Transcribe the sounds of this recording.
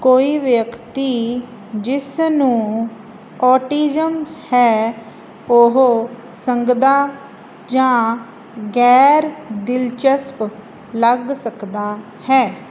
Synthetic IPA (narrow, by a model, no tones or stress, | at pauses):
koːiːʋjəkt̪iː | d͡ʒɪsnũː | ɔːʈiːd͡ʒəmhɛː | oɦo | səŋɡd̪aː | d͡ʒãː | ɡɛːɾd̪ɪlt͡ʃəsp | ləɡsəkd̪aː | hɛː